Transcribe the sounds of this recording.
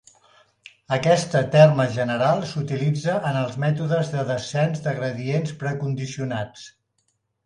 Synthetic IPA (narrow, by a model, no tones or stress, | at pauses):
əkɛst̪ət̪ɛrməʒənəɾalˠsut̪ilid͡zəʔənəlˠzmɛt̪uðəzðəðəsɛnzd̪əɣɾəðienspɾəkund̪isiunat͡s